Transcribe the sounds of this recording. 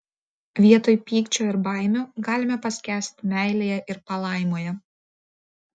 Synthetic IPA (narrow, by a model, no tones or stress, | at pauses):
ʋʲiɛt̪oːjpʲiːkt͡ʃʲoːɪɾbɑˑɪmʲoɡɑːlʲɪmʲɛpɐsʲkʲæːsʲt̪ʲmʲæˑɪlʲeːjɛʔɪɾpɐlˠɑˑɪmoːjɛ